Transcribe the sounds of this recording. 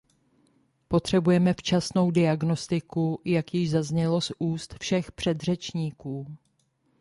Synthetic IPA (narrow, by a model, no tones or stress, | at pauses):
po̞t̪r̝̥ɛbujɛmɛft͡ʃasno̞wdɪaɡno̞st̪ɪkujakjɪʒzazɲɛlo̞suːst̪fʃɛxpr̝̥ɛd̪r̝ɛt͡ʃɲiːkuː